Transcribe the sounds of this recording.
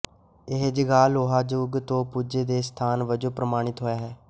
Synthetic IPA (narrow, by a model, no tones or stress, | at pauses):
ɪɦd͡ʒəɡaːloːɦaːd͡ʒoːɡt̪õːpuːd͡ʒeːd̪eːst̪ʰaːnʋəd͡ʒoːpɾəmaːɽ̃ɪt̪ɦoːaːɦɛː